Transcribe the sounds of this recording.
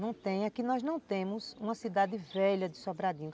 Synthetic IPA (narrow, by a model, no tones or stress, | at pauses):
nɐ̃w̃t̪ẽj̃ɐkinɔznɐ̃w̃t̪ẽmʊsũmɐsid̪ad̪ɪvɛʎɐd̪ɪsobɾad̪ĩɲũ